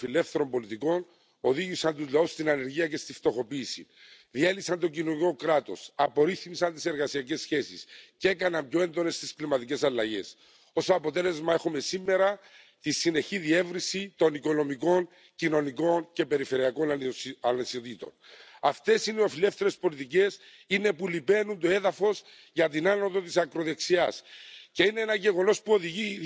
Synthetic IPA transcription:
file̞fθe̞ɾo̞mbo̞lit̪iko̞n | o̞ðiʝisɐnt̪uzlɐust̪inɐne̞ɾʝiɐce̞st̪ift̪o̞xo̞piːsḭ | ðielisɐnt̪ocinoniko̞kɾat̪o̞̰sɐpo̞ɾiθmisɐnt̪i̥se̞ɾɣɐsiɐce̞sːçe̞siscee̞kɐnɐmbjoe̞nd̪o̞ne̞st̪isklimɐt̪ice̞sɐlːɐʝe̞s | o̞soɐpo̞t̪e̞le̞zmɐexome̞simːe̞ɾɐ | t̪isine̞çiðie̞vɾinsit̪o̞niko̞no̞miko̞n | cino̞niko̞nce̞pe̞ɾife̞ɾiɐko̞nanesot̪it̪o̞̰nɐft̪e̞sineofile̞fθe̞ɾe̞spo̞lit̪ice̞s | ine̞pulipe̞nunt̪oe̞ðɐfo̞z | ʝɐt̪inano̞t̪o̞t̪isɐkɾo̞ðe̞ksiɐsce̞ineenɐʝe̞ɣo̞no̞spuo̞ðiʝi

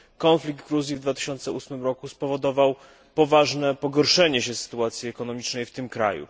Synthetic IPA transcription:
kɔnflʲikɡ̚d̪̚ɡɾuzʲjivd̪vat̪ɘ̥ɕɔnt̪sɛusmɘmɾɔkuspɔvɔd̪ɔvaw | pɔvaʐnɛpɔɡɔɾʂɛɲɛɕɛsɘ̥t̪uat̪sʲjiɛkɔnɔmʲit͡ʂnɛjft̪ɘmkɾa̰jṵ

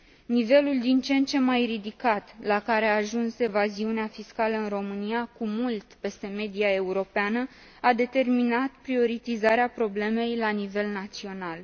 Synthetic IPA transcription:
nive̞luld̪int͡ʃe̞nt͡ʃe̞mːajrid̪ikat̪lakaɾeaːʒunsevaziuneafiskaləɨnro̞mɨnijakumult̪pe̞st̪e̞me̞d̪iae̞uɾo̞peanə | ad̪e̞t̪e̞rminat̪pɾio̞ɾit̪izaɾeapɾo̞ble̞me̞jlanive̞lnat̪sio̞nal

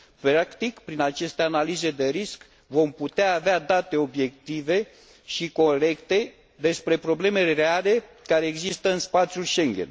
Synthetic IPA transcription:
pɾakt̪ikpɾinat͡ʃe̞st̪e̞analize̞d̪e̞ɾisk | vo̞mput̪eaːvead̪at̪e̞o̞bje̞k̚t̪ive̞ | ʃiko̞ɾe̞kt̪e̞ | d̪e̞spɾe̞pɾo̞ble̞me̞reale̞kaɾe̞ːɡzist̪əɨnspat̪sijulʃe̞ŋɡʲḛn

